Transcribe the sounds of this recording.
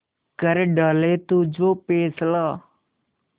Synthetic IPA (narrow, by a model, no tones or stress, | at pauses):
kəɾeɖəlet̪ud͡ʒoːpeːslaː